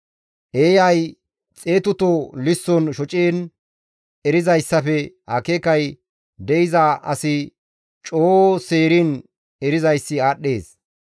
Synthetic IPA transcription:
ʔeːjɐj | t͡sʼeːt̪ʊt̪olɪsːɔnʃɔt͡ʃʼeːn | ɛɾɪzɐjsːɐfɛ | ɐkeːkɐj | d̪ɛʔɪzaʔɐ̰sɪ | t͡ʃʼoːseːɾin | ɛɾɪzɐjsːɪaːɗːe̞ːs

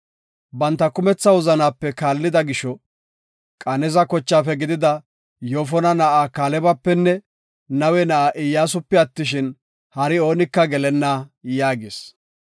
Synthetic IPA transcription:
bɐnt̪ːɐkʊmɛt͡sːɐwʊzɐnaːpːɛkaːlːɪd̪ɐɡɪʃɔ | kʼɐnɛzɐkɔt͡ʃːaːfɛɡɪd̪ɪd̪ɐ | joːfɔnɐnɐʔaːkaːlɛbɐpːɛnːɛ | nɐwɛnɐʔaːʔɪjːaːs̬ʊpːɛɐt̪ːɪʃɪn | hɐɾɪo̞ːnɪkːɐɡɛlɛnːaːjaːɡɪs

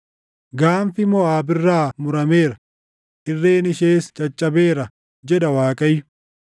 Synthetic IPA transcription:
ɡaːmfɪmɔaːbɪrːaːmʊɾɐme̞ːɾɐ | ʔɪrːe̞ːnɪʃe̞ːst͡ʃʼɐt͡ʃʼːɐbeːɾɐ | d͡ʒɛd̪ɐwaːkʼɐjʊ

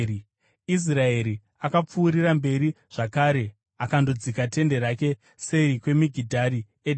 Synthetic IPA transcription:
is̬rae̞ɾi | akap͡fuːɾirambe̞ɾi | ʐ̥akaːɾe̞ | akandod͡zikate̞nde̞ɾake̞ | seikwe̞miɡʱidʱaɾi | ed

